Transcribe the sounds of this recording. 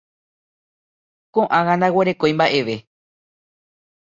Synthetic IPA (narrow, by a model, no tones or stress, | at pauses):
kõʔãŋãnd̪aweɾe̞kõjmbaʔe̞ʋe̞